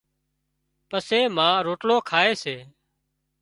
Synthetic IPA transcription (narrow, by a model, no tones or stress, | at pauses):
pəseːmãːɾoːʈloːkʰaːeːseː